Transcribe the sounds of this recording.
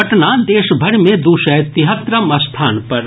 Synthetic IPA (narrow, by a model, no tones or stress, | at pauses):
ɐʈnad̪eːʃbʱɐɾmẽd̪uːʃɛjt̪ɪɦət̪ɾəmɐst̪ʰaːnpɐɾ